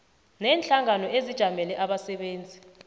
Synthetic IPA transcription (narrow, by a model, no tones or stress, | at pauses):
nɛːnt͡ɬʼaŋanɔʔezid̥ʒ̥ʱamɛlɛʔaɓasɛɓeːnd͡zʱi